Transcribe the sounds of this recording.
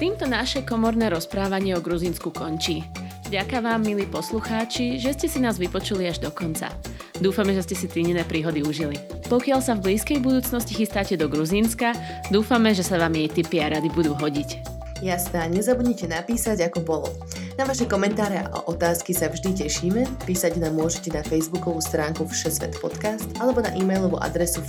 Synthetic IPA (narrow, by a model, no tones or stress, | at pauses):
t̪iːmt̪ɔnaʃɛkɔmɔɾnɛːɾɔspɾaːʋaɲɪɛɔɡɾuzinskukɔɲt͡ʃiːvɟakaʋaːmːiliːpɔsluxaːt͡ʃiʒɛscɛsinaːzʋipɔt͡ʃuliaʒd̪ɔkɔnt͡sa̰ | d̪uːfamɛʒɛscɛsit̪ɾiɲɛnɛːpɾiːɦɔd̪iuʒili | pɔkɪalsavbliːskɛjbud̪uːt͡snɔscixist̪aːcɛd̪ɔɡɾuzinska | d̪uːfamɛʒɛsaʋaːmjɛjt̪ipiaɾad̪ibud̪uːɦɔɟic | jast̪aːɲɛzabuɟɲɛcɛnapiːsaɟakɔbɔlɔ̰ | naʋaʃɛkɔmɛnt̪aːɾɛa̰ʔa̰ʔɔt̪aːskisavʒd̪icɛʃiːmɛpiːsaɟnaːmːʊɔʒɛcɛnafɛjzbukɔʋuːst̪ɾaːŋkufʃɛzʋɛ̰t̪pɔt̪kast̪ʔalɛbɔna̰ʔiːmɛjlɔʋṵʔa̰d̪ɾɛsu